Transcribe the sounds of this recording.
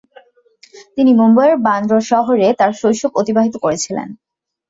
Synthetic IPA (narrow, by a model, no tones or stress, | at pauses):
t̪inimomboeɾband̪ɾoʃɔɦoɾet̪aɾʃojʃokot̪ibaɦit̪okoɾet͡ɕʰilḛn